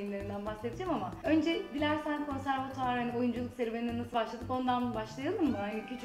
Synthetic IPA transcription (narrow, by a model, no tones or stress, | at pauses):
imlʲe̞ɾind̪ænbase̞d̪id͡ʒamamaø̞nd͡ʒɛd̪ilʲæɾsænkʰo̞nsæɾvat̪ʰaɾhanio̞jund͡ʒulˠukseɾbeinɛnasɯbaʃlˠad̪ɯpo̞nd̪anbaʃlˠajalˠɯmmɯhanicʰyt͡ʃʰ